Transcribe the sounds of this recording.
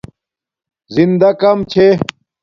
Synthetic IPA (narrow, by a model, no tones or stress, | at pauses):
zind̪ɐkɐmt͡ɕʰe